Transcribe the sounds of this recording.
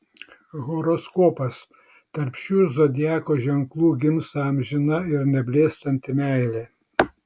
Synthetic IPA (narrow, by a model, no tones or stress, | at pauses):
ɣɔɾɔskɔːpɐs | t̪ɐɾʲpʲʃʲuːzod̪ʲɪjæːkoːʒʲɛŋklˠuːɡʲɪmsɑmʲʒʲɪnɐɪɾnʲɛbʲlʲeːst̪ɐnʲt̪ʲɪmʲæˑɪlʲeː